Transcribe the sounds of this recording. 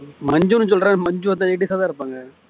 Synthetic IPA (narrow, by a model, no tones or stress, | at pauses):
mɐɲd͡ʒunːɯs̬ɔlːɾãːmɐɲd͡ʒuʋɐt̪ːãɛɽisɐːðaːɪɾɯpːaːŋɡɐ